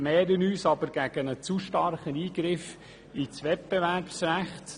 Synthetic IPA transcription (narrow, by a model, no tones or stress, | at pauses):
mɛːɾənyːsɑbəɾɡ̥æɡ̥ənət͡suʃtɑrχəniːɡɾɪf | it͡sʋɛt̚bɛværpsræχt